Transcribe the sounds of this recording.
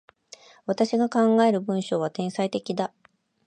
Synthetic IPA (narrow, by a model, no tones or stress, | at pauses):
βat̪aɕiɡakãŋɡae̞ɾɯ̟bɯ̟̃ɰ̃ɕo̞ːβat̪ẽ̞ɰ̃sait̪e̞kʲid̪a